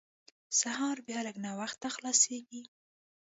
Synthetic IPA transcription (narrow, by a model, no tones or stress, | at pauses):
sahɑɾbjɑləɡnawaxt̪ːaxlɑseɡi